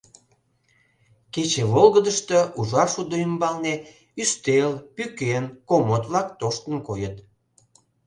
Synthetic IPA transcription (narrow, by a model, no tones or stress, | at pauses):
ket͡ɕeβolɣəd̪əʃt̪əʔuʒɑʃud̪oymbɑlne | yst̪elpykenkomot̪βlɑkt̪oʃt̪ənkojət̪